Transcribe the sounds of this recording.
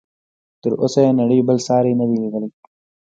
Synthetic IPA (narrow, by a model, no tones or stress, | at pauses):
t̪əɾo̰sajenɐɽəjbəlsɑːɾinəd̪iliɡəli